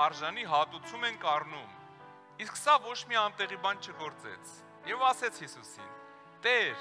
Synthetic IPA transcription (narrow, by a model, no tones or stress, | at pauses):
ɑɾʒɑniɦɑt̪ut͡sʰumɛnkɑrnum | isksɑvɔt͡ʃʰmiɑnt̪ɛʁibɑnt͡ʃʰəɡɔɾt͡sɛ̰t͡sʰ | jɛvɑsɛt͡sʰhisusḭn | t̪ɛɾ